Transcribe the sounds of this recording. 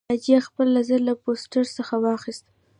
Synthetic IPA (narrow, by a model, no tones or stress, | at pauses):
ɑd͡ʒijaxpəlːazəɾlaposʈəɾsəxawɑxist̪